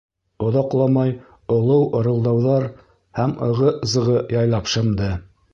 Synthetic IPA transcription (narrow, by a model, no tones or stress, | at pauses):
ŏðɑqlˠɑmɑj | ŏlˠɤwŏɾɤ̆lˠd̪ɑwðɑɾ | hæmɤ̆ʁɤzɤ̆ʁɤjɑjlˠɑpʃɤ̆md̪ɤ